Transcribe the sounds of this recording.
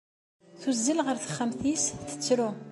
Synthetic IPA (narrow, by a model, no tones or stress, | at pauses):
θuzːilʁəɾθəχːəmθisθə̥t͡sːɾu